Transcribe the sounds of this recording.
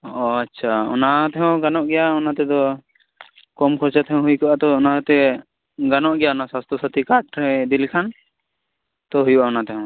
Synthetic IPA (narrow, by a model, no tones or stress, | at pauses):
ɔatːʃʰaɔ̰nat̪ɛɦɔ̃wɡanɔʔɡɛjaɔnat̪ɛd̪ɔ | kɔmkʰɔɾt͡ʃat̪ʰɛɦɔ̃ɦujkɔʔat̪ɔɔnaat̪ɛ | ɡanɔʔɡɛjaɔnaswast̪ɔsat̪ikaʈɾɛd̪ilkʰan | t̪ɔɦujuʔaɔnat̪ɛɦɔ̃